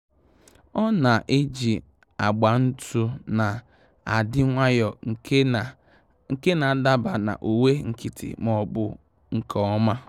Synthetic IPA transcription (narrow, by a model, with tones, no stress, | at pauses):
ɔ˦na˨ʔe˦d͡ʒi˨ | a˨ɡ͡ba˨n̩˦tu˦na˨ | a̰˨dɪ˦ŋʷa˦jɔ˨˦˨ | ŋ̩˨ke˦na˨da˦ba˨na̰˨ʔo˨we˦ŋ̩˨ki˦tʰḭ˨mɔ˦bʊ˦ | ŋ̩˦kʰɔ˦ɔ˦ma˦